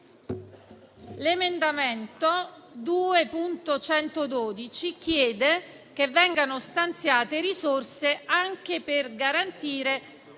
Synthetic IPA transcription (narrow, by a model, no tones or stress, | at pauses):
lemend̪ament̪o | d̪uːepunt̪ot͡ʃɛnt̪od̪oːd̪it͡ʃik̟jɛːd̪e | kevːɛŋɡanost̪ant̪sjaːt̪eɾisorseaŋk̟eperɡaɾant̪iːɾe